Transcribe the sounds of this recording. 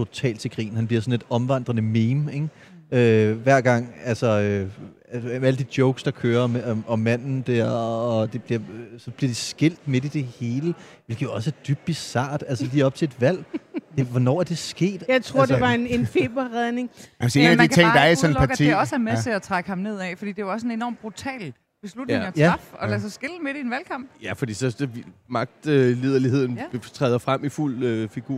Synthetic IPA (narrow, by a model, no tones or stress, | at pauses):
t͡sʰo̝t͡sʰɛ̰ːlt͡sʰe̝ɡ̥ʁḭːn̩hænb̥liɐsɒ̽nle̝d̥ɒ̽mʋɑ̈n̰d̥ʁɐnəmeːmeŋ | øʋæɐ̰ɡ̥ɑ̈ŋ̰ælsɒø | mæləd̥id̥joʊɡ̥sd̥ɑ̈kʰøːɐmɒ̽mːæn̰n̩d̥æɐ̰ɒ̽d̥e̝b̥liɐsɒ̽b̥liɐd̥e̝sɡ̥e̝l̰d̥me̝d̥id̥e̝he̝ːlə | ʋe̝lɡ̥əjoɒ̽sæɐd̥yb̥̚isɑ̰̈ːd̥ælsəliːɒ̽b̥̚t͡sʰe̝e̝d̥ʋæl̰d̥eʋɒnɒ̰ːæɐd̥e̝sɡ̥e̝̰ːd̥jɑ̈ɪt͡sʰʁo̝ɐ̰d̥ʋɑ̈enenfe̝ːb̥ɐʁɛðˠne̝ŋæse̝næd̥ikʰæeŋ̰d̥ɑ̈æɐiɒnˠlpʰɑɡ̥ʰiɒ̽sæɐmet͡sʰe̝æt͡sʰʁaɡ̥əhɑ̈mne̝ð̞̰ˠɛfɒ̽d̥ḭːd̥e̝ʋɑɒsenenɒ̰ːmb̥ʁut͡sʰɛ̰ːl | b̥e̝slud̥e̝ŋɒjʰæɑfɒ̽lɛs̬ɒ̽sɡ̥e̝lme̝ɾ̥ienʋælkʰɑ̈m̰b̥jæfɒ̽d̥ḭːsɒ̽mɑ̈ɡ̥̚d̥øle̝ð̞̰ˠɐlihe̝ð̞̰ˠn̩t͡sʰʁɛ̰ːðˠɐfʁam̰iful̰øfiɡ̥uɐ̰